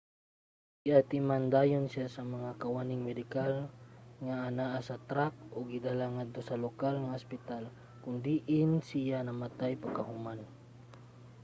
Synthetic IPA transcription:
ɡɪʔat̪ɪmand̪aːjonsɪjasɐmɐŋakɐwanɪŋmɛd̪ɪkalŋaʔanaʔasɐt̪ɾak̚ʔoɡɪd̪alaŋad̪̚t̪osɐlokalŋaospɪt̪al | kʊnd̪iʔɪnsɪjanɐmat̪ajpaɡkahʊman

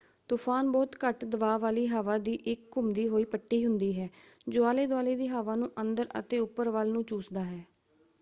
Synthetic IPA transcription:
t̪uːpʰaːnbɔːt̪kəʈd̪əʋaːʋaːliːɦaːʋaːd̪iːʔɪkːʊmd̪iːɦoːiːpəʈːiːɦʊnd̪iːɦɛːd͡ʒʊːaːleːd̪ʊaːleːd̪iːɦaːʋaːnũːʔənd̪əɾə̰t̪eːʊpːəɾʋaːlnũːt͡ʃuːsd̪aːɦɛː

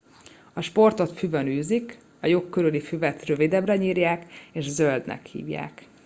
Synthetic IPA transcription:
ɒʃpo̞rt̪o̞t̪fyvɛnyːzik | ɒjokːøɾylifyvɛt̪rø̞vid̪ɛbrɛɲiːrjaːkeːʃzøld̪nɛ̰khḭːvja̰ːk

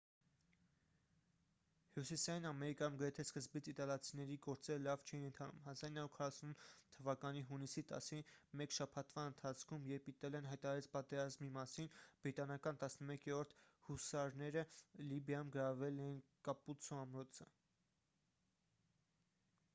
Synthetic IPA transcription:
hjusisɑjinɑmɛɾikɑjumɡəɾɛt̪ʰɛskəzbit͡sʰit̪ɑljɑt͡sʰinɛɾiɡɔɾt͡sɛɾəlɑvt͡ʃʰɛinənt̪ʰɑnṵmɦɑzɑɾinɑɾuɾkʰɑrɑsunt̪ʰːəvɑkɑniɦunisit̪ɑ̰simɛkʃɑpʰɑt̪vɑənt̪ʰɑt͡sʰkʰumjɛɾpit̪ɛlɛnɦɑjt̪ɑɾɑɾɛt͡sʰpɑt̪ɛɾɑzmimɑsinb̥ɾit̪ɑnɑkɑnt̪ɑsnəmɛkɛɾɔɾt̪ʰhusɑɾnɛɾəlibjɑjumɡəɾɑvɛlɛjinkɑput͡sʰɔɑmɾɔt͡sʰə

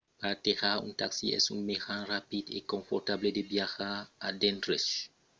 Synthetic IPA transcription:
paɾat̪eʁaṵ̃t̪aksḭɛ̰sṵŋmeʁãrapid̪ḛkõɱfoɾt̪abled̪ebjaxaad̪ẽnt̪ɾes

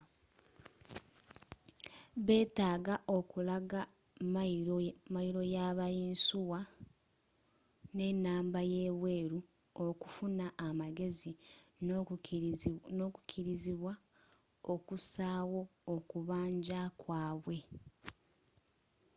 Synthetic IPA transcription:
βe̞ːtaːɡaʔo̞kulaɡa | m | majiɾo̞jaːβajiːnsuwa | ne̞nːaːmbaje̞ːβweːɾu | okufunaʔːmaɡe̞zi | noku̥kʰiɾiziβwa | okusaːwo̞ːkuβaːɲɟakwaːβwe̞

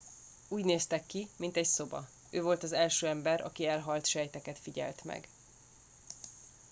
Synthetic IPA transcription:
uːɟneːst̪ɛkːimint̪ɛcso̞bɒ̰ | øːvo̞lt̪ɒzɛlʃøːɛmbɛɾʔɒ̰kiɛlɦɒlt̪ʃɛjt̪ɛkɛt̪fiɟɛ̰lt̪mɛ̰ɡ

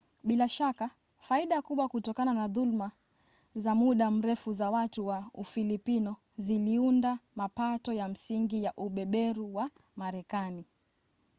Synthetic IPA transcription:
ɓilaʃaka | faiɗakuɓwakutɔkananaðulma | zamuɗam̩ɾɛfuzawatuwaufilipinɔ | ziliundamapatɔjam̩siŋɡijaʔuɓɛɓɛɾuwa | maɾɛkani

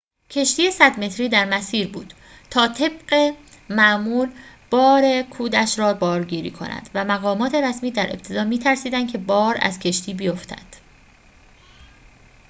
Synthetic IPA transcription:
cʰe̞ʃt̪iːjesæd̪me̞t̪ɾiːd̪æɾmæsiːɾbuːd̪̥ | t̪ʰɒːt̪ʰe̞bɢemæʔmuːlb̥ɒːɾekʰuːd̪æʃɾɒːbɒːɾɟiːɾḭːkʰo̞̰nʔæ̰nd̪væmæɣɒːmɒːt̪ʰe̞ɾæsmiːd̪æɾʔe̞̰b̚t̪ʰe̞d̪ɒːmiːt̪ʰæɾsiːd̪ænd̪kʰe̞bɒːɾæ̰zcʰe̞ʃt̪ʰiːbijoft̪ʰæ̰d̪̥

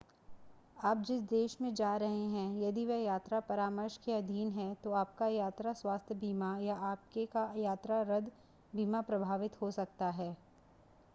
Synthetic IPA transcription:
aːp̚d͡ʒɪsd̪eːʃmẽd͡ʒaːɾɐɦeɦɛ̃jɐd̪iʋɐɦjaːt̪ɾapɐɾaːməɾʃkeɐd̪ʱiːnɦɛt̪oaːp̚kajaːt̪ɾaswaːst̪ʰjəbʱiːmajaʔaːp̚kekajaːt̪ɾaɾɐd̪ | biːmapɾɐbʱaːʋɪt̪ɦosɐk̚t̪aɦɛː

